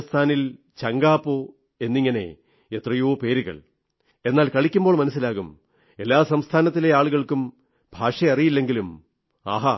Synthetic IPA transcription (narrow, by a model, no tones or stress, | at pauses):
st̪ʰaːnil | t͡ɕɐŋɡaːpːoː | e̞nːiŋːɐne̞̰ | et̪rɐjoːpe̞ːɾuɣɐ̰ɭ | e̞nːaːlkɐɭikʲːumboːɭmɐnɐs̬ːilaːɣum | e̞lːaːsɐmst̪ʰaːnɐt̪̬ːile̞aːɭuɣɐɭkum | bʱaːʂɐjɐrijilːe̞ŋɡilum | ɐ̰ɦɐ